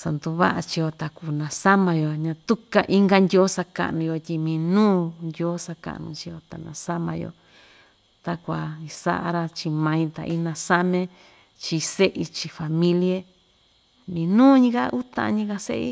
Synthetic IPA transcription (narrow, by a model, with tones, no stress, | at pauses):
sa˨nd̪u˧βa̰˦ʔa˧t͡ʃi˧jo˧t̪a˨ku˨nã˨sa˦mã˧jo˨ɲã˧t̪u˦ka˧ʔi˦ŋɡa˧nd̪ʲo˦sa˧ka̰˦˨˧nũ˧jo˧t̪ʲi˧mĩ˧nũː˦nd̪ʲo˦sa˧ka̰˨ʔnṵ̃˧t͡ʃi˧jo˧t̪a˨nã̰˨sa˦mã̰˧jo̰˧˨ | t̪a˧kʷa˨i˧sa̰˦ʔa̰˧ɾa˧t͡ʃi˧mã˧ĩ˧t̪a̰˨ʔi˦nã˧sa˦mẽ˦ | t͡ʃi˧se˦ʔi˧t͡ʃi˧fa˨mĩ˦li˦e˦ | mĩː˧nũː˦ɲĩ˦ka˦ʔu˦t̪ã̰˧ɲĩ˦ka˧sḛ˦ʔḭ˧˦